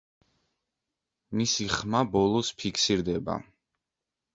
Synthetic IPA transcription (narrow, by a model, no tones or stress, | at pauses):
misiχmabɔlˠɔspʰikʰsiɾd̪ɛba̰